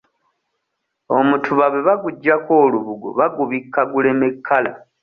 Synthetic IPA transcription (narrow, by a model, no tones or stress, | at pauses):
o̞mutʰuβaβe̞βaɡuɟːako̞ːluβuɡo̰βaɡuβikʰːaɡule̞mekʰːala